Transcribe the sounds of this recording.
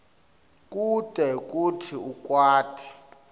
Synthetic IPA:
k̬ʼutʼɛk̬ʼutʰiukʼwaːtʰi̥

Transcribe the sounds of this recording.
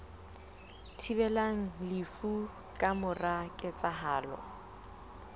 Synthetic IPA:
tʰibɛlaŋ̩lɪfu | kʼamʊrakʼɪt͡sʼaɦaːlɔ̰

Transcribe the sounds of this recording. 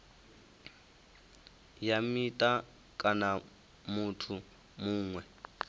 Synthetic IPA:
jamitʼa | kʼana | mutʰu | muːŋwɛ

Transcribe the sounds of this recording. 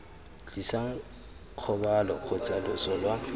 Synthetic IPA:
t͡ɬisaŋ̩ | q͡χʰɔbalɔk͡xʰʊt͡sʼalʊsɔlwa

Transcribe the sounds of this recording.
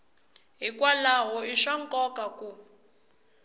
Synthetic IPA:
ɦikwalaɦɔiʃaŋkʼɔkʼaku

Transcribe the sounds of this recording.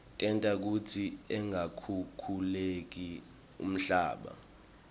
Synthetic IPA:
tʼɛntʼak̬utʰiɛŋakʰukʰulek̬i | ṵm̩ɬa̰ːɓa̰

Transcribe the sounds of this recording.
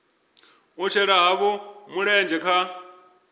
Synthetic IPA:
ɦut͡ʃʰɛɺaɦaβɔmuɺɛːnd͡ʒɛkʰa

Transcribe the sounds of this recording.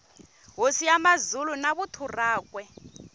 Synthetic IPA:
ɦosiamazulunaβutʰuraːkʼwɛ

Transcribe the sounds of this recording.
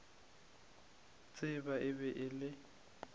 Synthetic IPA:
t͡sʼɪbaʔɪbɛʔɪlɪ

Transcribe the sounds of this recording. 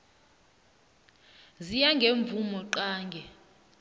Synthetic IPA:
zijaŋɡʱeɱb̪vʱumɔǃaːŋɡʱɛ

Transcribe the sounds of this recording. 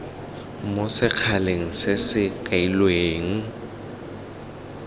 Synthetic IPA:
mʊsɪk͡xʰaleŋ̩sɪsɪkʼailweːŋ̩

